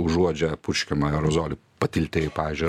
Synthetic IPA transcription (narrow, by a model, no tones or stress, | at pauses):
ʊʒuɔd͡ʒʲɛpʊʃʲkʲɛmɐɛɾɔzoːlʲɪpɐt̪ʲɪlʲt̪ʲeːjɪpɑːʋʲiːzʲd͡ʒʲʊɪ